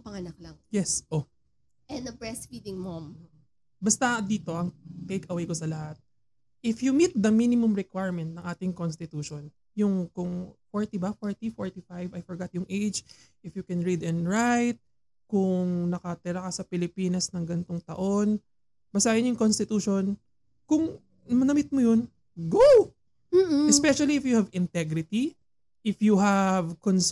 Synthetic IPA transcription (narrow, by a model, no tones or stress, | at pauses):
pɐŋɐnɐk̚lɐŋjɛsʔo | ʔɛndɐbɹɛsfiːd̪ɪŋmom | bɐst̪ɐd̪iːt̪o̞ʔɐŋt̪ejkɐwejkosɐlɐhat̪̚ | ʔɪfjʊmit̪̚d̪ɐminɪmʊmɹɛkwajɹmɛnt̪̚nɐŋʔaːt̪ɪŋkonst̪ɪt̪uːʃon | jʊŋkʊŋfoɹt̪ibɐfoɹt̪ifoɹt̪ifajvɐjfɔɹɡat̪̚jʊŋʔejd͡ʒ | ʔɪfjʊkɛnɹid̪ɛ̃nɹajt̪̚ | kʊŋnɐkɐt̪ɪɾɐkɐsɐpɪlɪpiːnɐsnɐŋɡɐnt̪oŋt̪ɐ̰ʔo̞n | b̥ɐsaːʔɪnjʊŋkonst̪ɪt̪uːʃon | kʊŋ | mɐnɐmɪt̪̚mojon | ɡow | m̩ːɛspɛʃɐliɪfjʊhɐvɪnt̪ɛɡɾɪt̪i | ʔɪfjuɦɐvkons